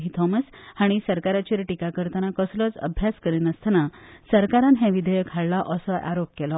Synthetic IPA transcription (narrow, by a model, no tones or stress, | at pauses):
ɦit̪ʰɔməshaɽ̃isəɾkaɾat͡ɕiɾʈikakəɾt̪anakəslɔt͡sə̰bʱjaskəɾiːnəst̪ʰanasəɾkaɾãnɦɛ̃ʋid̪ʱəjəkɦaɭlaʔəsɔʔa̰ɾop̚kɛlɔ